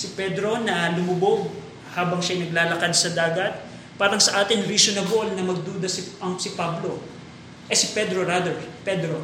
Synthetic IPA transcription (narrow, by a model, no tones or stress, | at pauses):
sɪpɛd̪ɾo̞nɐlʊmʊboɡ̚ | haːbɐŋʃajnɐɡlaːlɐkansɐd̪aːɡɐt̪̚ | paːɾɐŋsɐʔaːt̪ɪŋɾisonɐbo̞lnɐmɐɡ̚d̪uːd̪ɐsɪɐŋsɪpablo̞ | ʔɛsɪpɛd̪ɾoɾad̪ɛɹpɛd̪ɾo